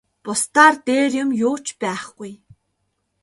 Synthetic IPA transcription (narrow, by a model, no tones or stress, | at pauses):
pʊst̪aːrt̪eːrjʊ̆mjʊːt͡ɕpæːχɡuj